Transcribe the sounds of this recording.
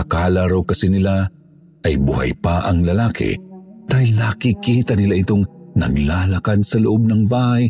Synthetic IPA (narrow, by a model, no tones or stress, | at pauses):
ɐkaːlaɾowkɐsinɪla | ʔɐjbʊɦa̰jpaʔɐŋlɐlaːkʰɪ̰d̪̥aːhilnɐkɪkiːt̪ɐnɪlaʔɪt̪oŋnɐ̰ɡlaːlɐkad̪̚sɐlʊʔob̚nɐŋbaːhaj